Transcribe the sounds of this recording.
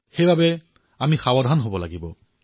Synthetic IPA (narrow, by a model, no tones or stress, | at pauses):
xejbabɛ | amixawɔdʱanɦobɔlaɡibɔ